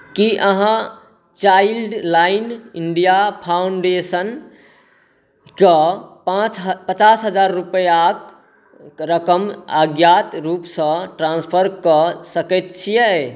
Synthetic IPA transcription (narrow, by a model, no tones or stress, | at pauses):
kiʔəɦã | t͡ʃailɖlainiɳɖijapʰawuɳɖesən | kepãt͡ʃɦpət͡ʃasɦəd͡ʒaɾːupəjak | ɾəkəmaɡjat̪ɾupsə̃ʈɾãnspʰəɾkəsəkɛt̪̚t͡ʃʰijɛ